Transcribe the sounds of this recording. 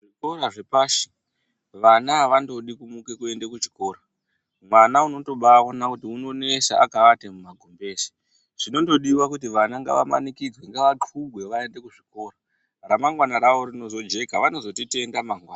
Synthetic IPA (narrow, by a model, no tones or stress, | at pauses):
ʐiko̞ɾaʐe̞paːʃi̥ | ʋanaʋando̞ɗikumukekue̞nde̞kut͡ʃi̥ko̞ːɾa | mwanauno̞to̞ɓawonakutiuno̞ne̞ʃa̰akaʋatemumaɡʱombe̞ːsi̥ | ʐ̥ino̞ndo̞ɗiwakutiʋanaŋɡa̰ʋa̰ma̰nikid͡zweŋɡaʋaǃuɡʱwe̞ʋae̞nde̞kuʐiko̞ːra | ramaŋɡwanaɾaʋo̞ɾino̞zo̞d͡ʒe̞kaʋano̞zo̞tite̞ndamaŋɡwaːna